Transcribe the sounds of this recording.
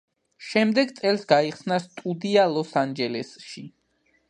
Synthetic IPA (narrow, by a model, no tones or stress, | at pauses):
ʃɛmd̪ɛɡt̪sʼɛlˠsɡaiχsnast̪ʼud̪ialˠɔsand͡ʒɛlɛsʃi